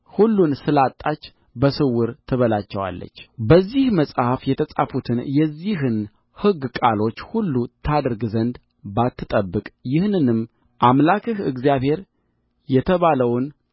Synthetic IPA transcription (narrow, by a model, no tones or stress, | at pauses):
hulːunsɨlat̪ʼːat͡ʃː | bəsɨwːɨɾt̪ʰɨβəlat͡ʃːɛwa̰lːə̰t͡ʃːbəzːihməsʼhafjɛt̪ʰəsʼafut̪ʰɨnjɛzːiɦɨn | hɨɡkʼalo̞t͡ʃːhulːut̪ʰad̪ɾɡzənd̪ | bat̪ːɨt̪ʼəbːɨkʼjɪhnɨnɨm | ʔamlakʰɨhɨ̰ɡzijaβhe̞ɾ | jɛt̪ʰəβaləwn